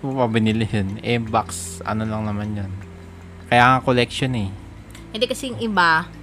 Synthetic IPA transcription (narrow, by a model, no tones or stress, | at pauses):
opɐbɪnɪlɪhɛnɛbaksʔɐ̰nolɐŋnɐmanjon | kɐjaːŋɐŋkolɛk̚ʃonɛ | hɛnd̪ɛkɐsɛjʊŋɪba